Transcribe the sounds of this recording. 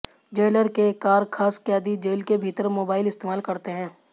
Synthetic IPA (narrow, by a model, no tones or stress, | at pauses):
d͡ʒeːləɾkekaːɾkʰaːskjaːd̪id͡ʒeːlkebʱiːt̪əɾmoːbaːɪlɪst̪eːmaːlkɐɾt̪eɦɛ̃ː